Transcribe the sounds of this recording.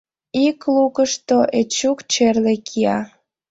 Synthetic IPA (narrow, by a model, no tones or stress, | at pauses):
iklukəʃt̪oʔet͡ɕːukt͡ɕerlekʰiɑ